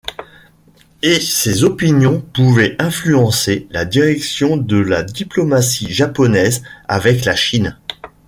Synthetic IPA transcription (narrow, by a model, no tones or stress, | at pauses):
esezɔpinjɔ̃puvɛɛ̃flyɑ̃selad̪iʁɛksjɔ̃d̪əlad̪iplɔmasiʒapɔnɛza̰vɛklaʃin